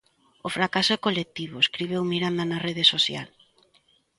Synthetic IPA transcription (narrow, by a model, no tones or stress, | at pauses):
ofɾakasʊɛkolek̚t̪iβʊeskɾiβ̞ewmiɾand̪ɐnɐreð̞esosja̰l